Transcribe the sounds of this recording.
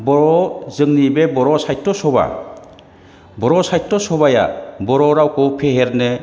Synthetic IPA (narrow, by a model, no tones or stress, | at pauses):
bɔɾɔzɯŋnibebɔɾɔsajtːɔsɔba̰ | bɔɾɔsajtːɔsɔbaja̰bɔɾɔɾawkʰɔpʰeɦeɾnɯ